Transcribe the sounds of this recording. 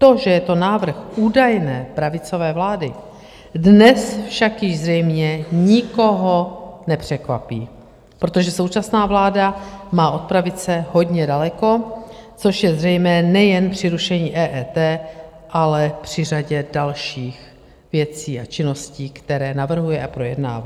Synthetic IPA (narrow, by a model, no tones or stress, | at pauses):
t̪o̞ʒɛjɛt̪o̞naːvr̩xʔuːdajnɛːpɾavɪt͡so̞vɛːvlaːdɪ | dnɛsfʃakjɪʒzrɛjmɲɛɲɪko̞ɦo̞nɛpr̝̥ɛkva̰piː | pɾot̪o̞ʒɛso̞wt͡ʃasnaːvlaːdamaːʔo̞t̪̚pɾavɪt͡sɛɦo̞ɟɲɛdalɛko̞t͡soʃjɛzrɛjmɛːnɛjɛnpr̥ɪɾuʃɛɲiːʔɛːʔɛːt̪ɛː | ʔalɛpr̝̥ɪraɟɛdalʃiːx | vjɛt͡siːat͡ʃɪno̞sciːkt̪ɛɾɛːnavr̩ɦujɛʔapɾo̞jɛdna̰ːva̰